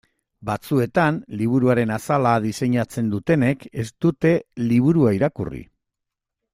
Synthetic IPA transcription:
bat͡sue̞t̪anliβ̞uɾuaɾe̞nasalaðise̞ɲat͡se̞nd̪ut̪e̞ne̞ke̞st̪ut̪e̞liβ̞uɾuaiɾakṵrḭ

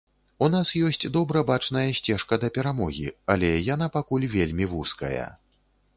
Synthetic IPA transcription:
unasjɔsʲt͡sʲd̪ɔbɾɐbat͡ʂnɐjɐsʲt͡sʲɛʂkɐd̪ɐpʲɛɾamɔɣʲḭɐlʲɛjan̪apakulʲvʲelʲmʲivuskɐ̰jɐ̰

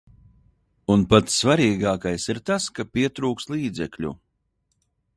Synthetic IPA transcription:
unpat̪ssvaɾiːɡaːkajsiɾt̪askapʲiɛt̪ɾuːkst̪lˠiːd̪zɛkʎʲṵ

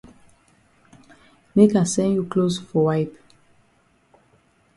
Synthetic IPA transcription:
mekãsɛ̃njuklosfɔwaɪp

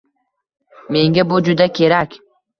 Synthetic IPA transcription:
me̞ŋɡʲabʊd͡ʒʊd̪akʲʰe̞ɾakʲ

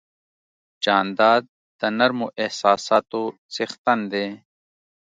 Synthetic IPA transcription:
t͡ɕaːnd̪aːd̪̚ːɐnɐɾmoʔehsaːsaːt̪osixt̪ɐnd̪eː

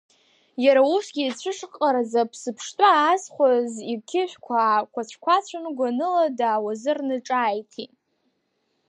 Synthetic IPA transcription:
jaɾausɡʲit͡ɕʷʰɨʂqʼaɾazapʰsɨpʰʂtʼaːzχʷazikʲʰɪʃʷᶣkʷʰakʷʰat͡ɕʷʰkʷʰat͡ɕʷʰanɡʷanɨladaːwazɨrnɨʈ͡ʂʼaːjtʰi

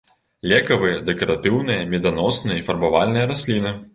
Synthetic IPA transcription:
lʲɛkɐvɨjɐd̪ɛkɐɾat̪ɨwnɨjɐmʲɛd̪anɔsnɨjɐifɐrbavalʲnɨjɐɾasʲlʲinɨ

